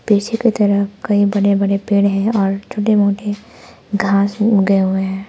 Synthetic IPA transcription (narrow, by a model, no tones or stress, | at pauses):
peːʃeket̪ɐɾəɦkɐibɐɽebɐɽepeːɽɦɛ̃ɔːɾt͡ʃʰoːʈ̬emoːʈe | ɡʱãːsɡɐeɦʊeɦɛ̃ː